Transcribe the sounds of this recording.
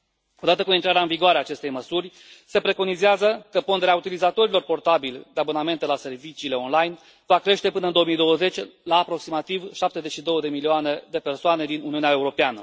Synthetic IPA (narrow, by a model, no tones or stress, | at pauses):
o̞d̪at̪əkumint̪ɾaɾeaɨnviɡoaɾeaːt͡ʃe̞st̪e̞jməsurʲ | se̞pɾe̞ko̞nizeazəkəpo̞nd̪e̞ɾeaut̪ilizat̪o̞ɾilo̞rpo̞rt̪abild̪eaboname̞nt̪e̞lase̞rvit͡ʃiːle̞o̞nlajn | vakɾe̞ʃt̪e̞pɨnəɨnd̪ooəmijd̪o̞wəze̞t͡ʃʲlaːpɾo̞ksimat̪ivʃap̚t̪ezet͡ʃʃid̪o̞wəd̪e̞milioane̞d̪e̞pe̞rsoane̞d̪inuniuneae̞uɾo̞peanə